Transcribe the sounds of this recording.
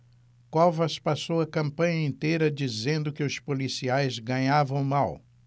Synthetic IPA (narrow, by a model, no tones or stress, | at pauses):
kɔvɐspasowɐkɐ̃mpɐ̃ɲɐẽnt̪ejɾɐd͡ʒizẽnd̪ʊkɪʊspolisiajzɡɐ̃ɲavɐ̃w̃maw